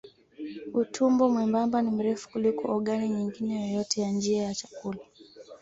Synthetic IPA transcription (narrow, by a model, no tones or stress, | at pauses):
utʰumbɔmwɛmbambanim̩ɾɛfu̥kulikɔʔɔɠaniɲiŋɡinɛjɔjɔtɛjand͡ʒiajat͡ʃḁkula